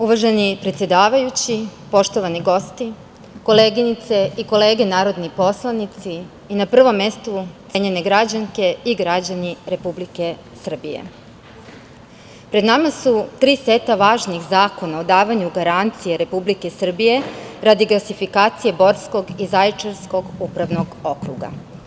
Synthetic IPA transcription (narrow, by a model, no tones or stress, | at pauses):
uʋaʒenipɾet̪sje̞d̪aːʋajut͡ɕipo̞ʃt̪o̞ʋaniɡo̞st̪i | ko̞le̞ːɡinit̪se̞iko̞le̞ːɡe̞naːɾo̞d̪nipo̞slˠanit̪siː | napr̩ʋo̞mje̞st̪u | eɲene̞ɡɾad͡ʑaŋke̞iɡɾad͡ʑaniɾe̞publike̞ | sr̩bijḛ | pɾe̞d̪namasut̪ɾiːset̪aʋaːʒnixzaːko̞naod̪aːʋaɲuɡaɾant̪sijeɾe̞publike̞sr̩bije̞ɾad̪iɡlˠasifikaːt̪sije̞bo̞ɾsko̞ɡizajt͡ʃeɾsko̞ɡupɾaʋno̞ɡo̞kɾṵɡa̰